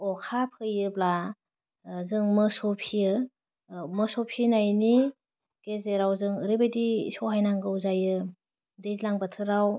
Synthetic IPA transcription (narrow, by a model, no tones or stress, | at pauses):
ɔkʰapʰɯjɯbla | zɯŋmɯsɔpʰijɯ | mɯsɔpʰinajni | ɡ̥ezeɾawzɯŋɾɯbadḭsɔɦajnaŋɡɯwzajɯ | dezlaŋbatʰɯɾaw